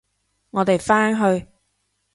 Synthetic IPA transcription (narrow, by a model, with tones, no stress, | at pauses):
ŋɔː˨˧t̪e˨jfaː˥nɦɵ˧ɥ